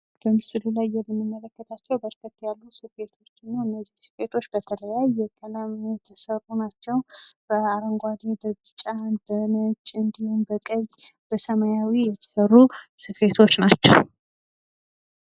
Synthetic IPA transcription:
b̥əmɨsɨlulajːɛmːɨmːɨmːələkːət̪ʰat͡ʃːɛwbəɾkʰət̪ːjalːusɨfe̞t̪ʰo̞t͡ʃːɨnːawɨnːəzːi̥sɨ̥fe̞t̪ʰo̞t͡ʃːbət̪ʰələjajːɛkʼənamjɛt̪ʰəsərːunat͡ʃːɛwb̥əaɾəŋɡʷad̪ebəbɨt͡ʃʼabənət͡ʃʼɨnd̪ihumbəkʼəɲːb̥əsəmajawijɛt̪ʰə̥sərːusɨfe̞t̪ʰo̞t͡ʃːnat͡ʃːɛ̰w

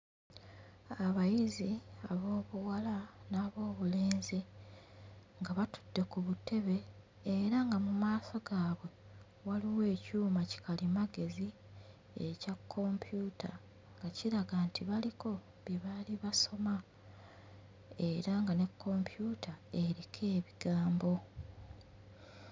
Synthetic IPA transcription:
aβajiziaβo̞ːβuwalanaːβo̞ːβule̞ːnze | ŋɡaβatu̥dːe̞kuβute̞βe̞ | eɾaŋɡamumaːso̞ɡaːβwe̞ | waliwe̞ːcuːmaci̥kalimaɡe̞zi | ḛcakʰːo̞mpjuːtʰa | ŋɡaciɾaɡantʰiβaliko̞ | βjeβaliβaso̞ma | e̞ɾaŋɡane̞kʰːo̞mpʰjuːtʰae̞ɾikʰe̞ːβiɡ̥aːmbo̞

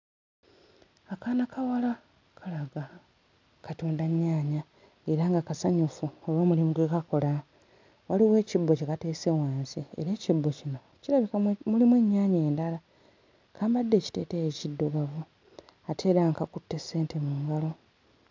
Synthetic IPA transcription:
akaːnakawala | kʰalaɡa | katoːndaɲːaːɲa | e̞ɾaːŋɡakasaɲufuoloːmulimuɡwekako̞la | waliwe̞ːcibːocekate̞ːsewaːnsiḛɾe̞ːcibːo̞cino̞ | ciɾaβikamulimwe̞ːɲːaːɲe̞ːndala | kʰaːmbadːe̞ːci̥te̞ːtejecidːuɡavu | atʰe̞ɾaŋkakutːe̞se̞ːntemuːŋɡalo̞

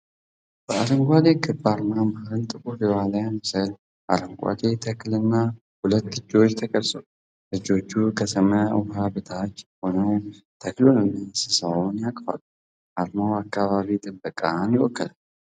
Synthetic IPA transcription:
b̥əaɾəŋɡʷad̪ekʰɨbaɾmaməhɾɨnt̪ʼɨkʼufɛwalajanɨsəl | ʔaɾəŋɡʷa̰d̪et̪ʰəkʰlɨnːa | hulət̪ːɨd͡ʒːo̞t͡ʃːt̪ʰəkʼəlsʼow | ʔɨd͡ʒːo̞t͡ʃːukʰət̪ʰəməwɦabɨt̪ʰat͡ʃːhonəw | t̪ʰəklonomisɨsawnjakʼfa̰l | ʔaɾmawakːaβaβit̪ʼɨbəkʼanjɪwɔkːəlal

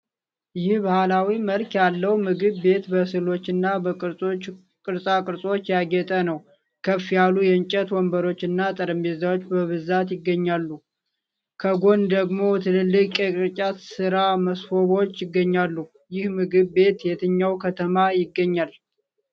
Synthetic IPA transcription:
jɪhbahalawiməlkjalːəwmɨɡɨβbe̞t̪bəsɨlo̞t͡ʃːɨnːa | kʼɨɾsʼakʼɨɾsʼot͡ʃːjaɡɛt̪ʼənəw | kʰəfjalujɛɨnt͡ʃʼɛt̪wɔmbəɾo̞t͡ʃːɨnːat̪ʼəɾəmbezawot͡ʃːbəβɨzat̪jɪɡːəɲːalːu | kʰəɡo̞nd̪əɡmo̞t̪ʰɨlɨlːɨkʼjɛkʼɨɾt͡ʃʼat̪sɨɾaməsfo̞βo̞t͡ʃːjɪɡːəɲːalːu | jɪhmɨɡɨβːe̞t̪jɛt̪ʰɨɲːawkʰət̪ʰəmajɪɡːəɲːal

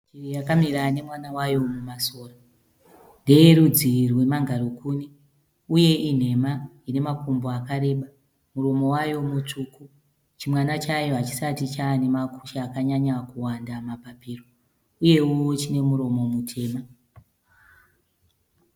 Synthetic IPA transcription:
t͡ʃirijakamiɾane̞mwanawajo̞mumaso̞ːra | nde̞jeɾud͡zirwe̞maŋɡaɾukuːni | uje̞ʔin̤e̞ma | ine̞makumboakaɾe̞ːɓa | muɾo̞mo̞wajo̞mut͡ʂuku | t͡ʃimwanat͡ʃajo̞ɦat͡ʃi̥satit͡ʃane̞maku̥ʃaːkaɲaɲakuwandamapapiːro | uje̞wot͡ʃine̞muɾo̞mo̞mutʰe̞ːma

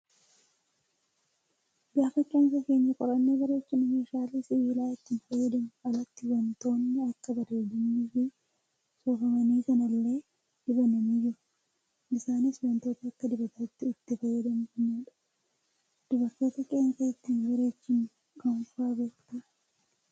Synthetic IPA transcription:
bɪaːfɐt͡ʃʼːoːnsɐke̞ːɲːɐkʼɔɾɐnːeːbɐɾe̞ːt͡ʃːɪnʊmeːʃaːliːsɪwiːlaːɪt̪ːiːnfɐjːɐd̪ɐmʊɐlɐt̪ːɪwɐnt̪o̞ːnːɪɐkːɐbɐɾeːd̪ɐnːiːfɪ | sɔfɐmɐniːkɐnɐlːe̞ː | d̪̥ɪbɐnɐmid͡ʒɪɾʊ̥ | ɪsaːnɪswɐnt̪o̞ːt̪ɐɐkːɐd̪ɪbɐt̪ɐɪt̪ːɪʊt̪ːɪfɐjːɐd̪ɐmʊfɐnːaᶑɐ̥ | d̪̥ʊbɐɾt̪o̞ːt̪ɐkʼɛːɐŋsɐɪt̪ːiːnbɐɾe̞ːt͡ʃːɪnʊ | kɐŋfʊaːbe̞ːkt̪ɐ

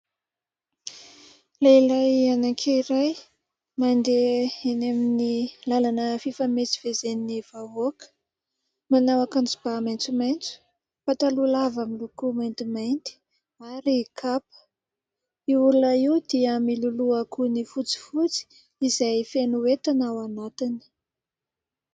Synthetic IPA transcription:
leilajanakʰeiɾaj | mand̪eenaminilalanəfifamet͡si̥v̥ezeniniv̥avokə̥ | manawakant͡sub̥amajnt͡sumajnt͡su̥ | pat̪alulavamilukumajnt̪imajnt̪i̥ | aɾikʰapə̥ | iuɾunaiwd̪iəmiluluakunifut͡si̥fut͡si̥ | izajfenuwet̪anawanat̪inə̥

